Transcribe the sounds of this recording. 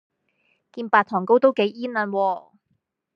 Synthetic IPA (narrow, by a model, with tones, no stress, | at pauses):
kiː˧npaː˧t̪̚ʰɔː˨˩ŋko˥wt̪o˥wke˨˧˥jiː˥nlɐ˧nwɔː˧